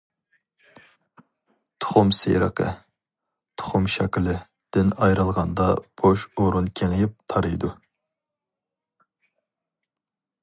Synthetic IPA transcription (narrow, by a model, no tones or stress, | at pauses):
t̪ʰʊ̥χʊmsḛjɾə̰qʰə̰ | t̪ʰʊ̥χʊmʃɛkʲlɪ | d̪̥ɪnɑjɾɨlˠʁɑnd̪ɑb̥oʃoɾunkʲʰeŋɪjɪp̚t̪ʰɑɾɨjd̪u